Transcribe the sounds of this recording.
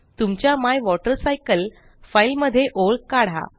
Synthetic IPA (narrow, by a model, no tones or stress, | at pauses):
t̪umt͡ɕjamajʋɔʈəɾsajkəl | failməd̪ʱːjeʔoɭkaɽ̤a̰